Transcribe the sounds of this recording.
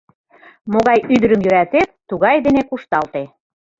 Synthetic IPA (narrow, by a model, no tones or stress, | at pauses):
moɣɑjyd̪ə̆ɾəmjyɾæt̪et̪t̪ːuɣɑjd̪enekuʃt̪ɑlt̪e